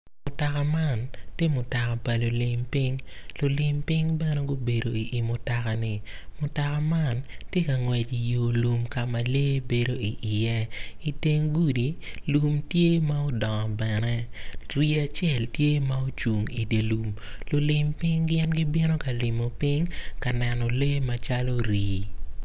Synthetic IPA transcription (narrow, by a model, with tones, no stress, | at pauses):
mʊ˨ta˨ka˨ma˦˨ntje˦mʊ˨ta˨ka˨pa˨lʊ˨lɪ˨mpɪ˦ŋlʊ˨lɪ˨mpɪ˦ŋbɛ˦nɛ˦ɡo˦be˨do˨i˨ʔi˨mʊ˨ta˨ka˨nɪ˨mʊ˨ta˨ka˨ma˦˨ntje˦ka˨ŋwɛ˨d͡ʒi˨jo˨lu˨mka˨ma˨le˦be˨do˨i˨ʔjɛ˦i˨te˦ŋɡu˦di˨ | lu˨mtje˦ma˦o˦dɔ˨ŋɔ˨bɛ˨nɛ˦ɾi˦a˨t͡ʃjɛ˦˨ltje˦ma˦o˦t͡ʃu˨ŋi˨de˨lu˨m | lʊ˨lɪ˨mpɪ˦ŋɡɪ˦ɛ˦nɡi˦bi˦no˦ka˨lɪ˨mɔ˨pɪ˦ŋka˨nɛ˨nɔ˨le˦ma˨t͡ʃa˦lo˦ɾiː˨